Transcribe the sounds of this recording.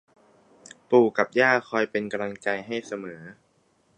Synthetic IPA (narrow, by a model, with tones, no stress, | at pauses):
puː˨˩ka˨˩p̚jaː˥˩kʰɔː˧jpe˧nka˧mla˧ŋt͡ɕa˧jɦa˥˩jsa˧mɤː˩˦